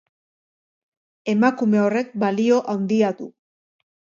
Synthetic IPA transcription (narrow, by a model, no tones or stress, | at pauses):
e̞makume̞o̞re̞k̚balio̞ʔawnd̪iat̪u